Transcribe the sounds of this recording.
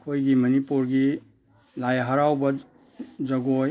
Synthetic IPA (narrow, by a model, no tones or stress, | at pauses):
kʰojɡimɐnipuɾɡi | lajɦɐɾawbɐ | d͡ʒɐɡoj